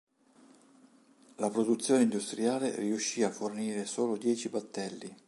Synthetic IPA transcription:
lapɾod̪ut̪sːjoːneind̪ust̪ɾiaːleriuʃːiːafːorniːɾesoːlod̪jɛːt͡ʃibat̪ːɛlːi

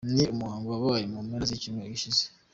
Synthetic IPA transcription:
niumuhaːŋɡuaβajomumeɾazicimweiʃize̥

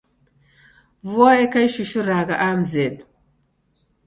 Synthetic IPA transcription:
vuwaekajʃiʃuɾaɡaʔamzedu

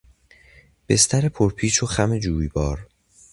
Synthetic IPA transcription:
b̥e̞st̪ʰæɾepʰoɾpʰiːʃoxæme̞d͡ʒuːjbɒːɾ

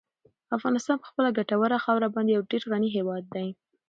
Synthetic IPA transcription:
afɣɑnɪst̪ɑnpə̥xpəlaɡaʈawəɾaxɑwɾabɑnd̪ejawɖeɾɣaniɦewɑd̪̚ːaj

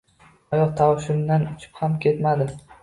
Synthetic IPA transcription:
ajɒqt̪ʰawʃʊnd̪anʊt͡ʃʰɪ̥phamkʲʰe̞t̪mad̪ɪ

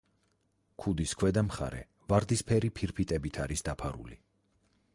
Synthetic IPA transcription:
kʰud̪iskʰwɛd̪amχa̰ɾɛ̰ | vaɾd̪ispʰɛɾipʰiɾpʰit̪ʼɛbit̪ʰaɾisd̪apʰaɾṵlḭ

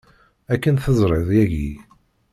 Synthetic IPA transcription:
ækːənθəzˤɾˤəðˤjæʝḭ

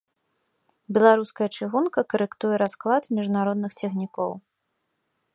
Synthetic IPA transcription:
bʲɛlˠaɾuskɐjɐt͡ʂɨɣunkɐkɐɾɛkt̪ujɛɾasklˠat̪mʲiʐnaɾɔd̪nɨxt͡sʲɛxnʲikɔ̰w

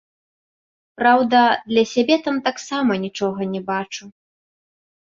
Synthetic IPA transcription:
pɾawd̪ɐd̪lʲɐsʲabʲɛt̪amt̪aksamɐnʲit͡ʂɔɣɐnʲɛbat͡ʂu

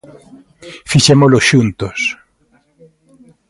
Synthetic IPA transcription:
fiʃemoloʃunt̪os

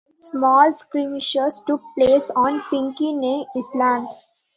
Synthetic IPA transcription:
smɔːlskɾimɪʃəɾsʈʊk̚pleːsɔ̃ːnpɪ̃ŋkineːɪslãːm

